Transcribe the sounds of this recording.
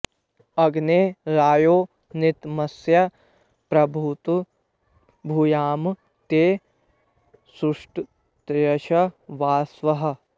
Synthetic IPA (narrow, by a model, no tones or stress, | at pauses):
ɐɡneːɾaːjoː | nɪt̪mɐsjɐ | pɾɐbʱuːt̪u | bʱuːjaːm | t̪eː | suʂʈ | t̪jɐʃɐʋaːsʋɐɦɐ̆